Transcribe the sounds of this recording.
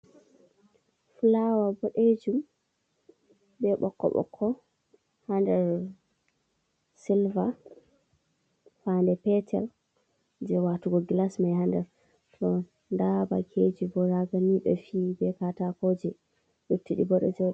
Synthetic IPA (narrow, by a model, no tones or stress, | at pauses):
fulawabɔɗed͡ʒum | bɛɓɔ̰kːɔ̰ɓɔ̰kʰːɔ | handɛɾ | silva | fandɛpɛtʰɛ̰l | d͡ʒɛwatuɡɔɡlasmajhandɛɾ | tɔ | ndaba̰kʰed͡ʒibɔɾaɡaniɓɛ̰fiːbɛkatakod͡ʒɛ | ɗutːiɗḭbɔɗɔ̰d͡ʒɛ